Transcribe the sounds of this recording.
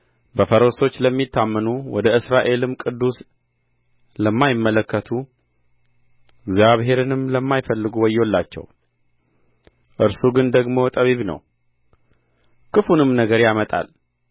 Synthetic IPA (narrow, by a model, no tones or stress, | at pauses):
bəfəɾoso̞t͡ʃːləmːit̪ʰːamːənuwɔd̪əɨsɾaʔe̞lɨmkʼɨd̪ːus | ləmːajɪmːələkːət̪ʰu | ɪɡzjaβɦe̞ɾɨnɨmləmːajfəlːɨɡuwɔjːolːat͡ʃːɛ̰w | ʔɨɾsuɡɨnd̪əɡmo̞t̪ʼəβiβnə̰w | kʰɨfunɨmnəɡəɾjamət̪ʼa̰l